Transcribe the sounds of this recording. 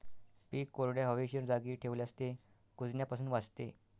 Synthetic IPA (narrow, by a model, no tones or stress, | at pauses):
piːkːoɾɽjaɦəʋeɕəɾd͡zaɡiːʈʰeʋleast̪e | kud͡zɳjapasuːnʋad͡zt̪e